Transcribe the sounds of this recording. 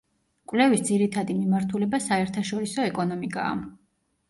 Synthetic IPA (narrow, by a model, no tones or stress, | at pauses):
kʼvlɛvisd̪ziɾit̪ʰad̪imimaɾt̪ʰulɛbasaɛɾt̪ʰaʃɔɾisɔɛkʼɔnɔmikʼa̰ː